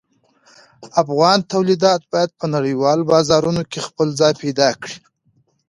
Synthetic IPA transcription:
afɣɑnt̪awlid̪ɑt̪̚bɑjad̪̚pənaɽəjwɑlobɑzɑɾunokexpəlzɑjpejd̪ɑkɽi

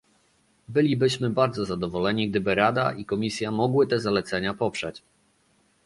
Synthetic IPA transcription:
bɘlʲibɘɕmɘbaɾd̪zɔzad̪ɔvɔlɛɲiɡ̚d̪ɘbɘɾad̪a̰ʔikɔmʲisʲjamɔɡwɘt̪ɛzalɛt̪sɛɲapɔpʂɛt͡ɕ

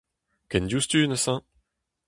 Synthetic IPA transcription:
kɛ̃ndjust̪yːnəsɑ̃

